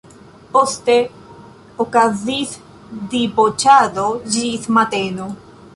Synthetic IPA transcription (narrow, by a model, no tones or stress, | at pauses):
post̪e | okaziθ | d̪ibot͡ʃaðod͡ʒiθmat̪eno